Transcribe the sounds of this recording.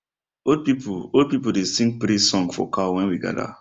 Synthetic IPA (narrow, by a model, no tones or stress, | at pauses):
od̚pipʰuod̚pipudesĩŋɡ̚pɾisɔ̃ŋɡfɔ̰kʰawɛ̃nwiɡa̰da̰